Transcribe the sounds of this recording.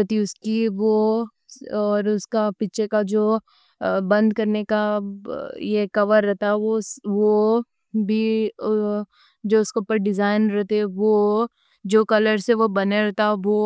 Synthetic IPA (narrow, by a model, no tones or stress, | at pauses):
ɾɛt̪iʊskiʋo | ɔːɾʊskapiːt͡ʃʰekad͡ʒoː | bɐ̃nd̪kɐɾneka | jekɐʋəɾːɛɦt̪aɛʋosʋo | bʱi | d͡ʒoːʊskeupəɾɖɪzaːɪnɾɛɦt̪eɛʋo | d͡ʒoːkɐləɾseʋobɐneɾɛɦt̪aʋo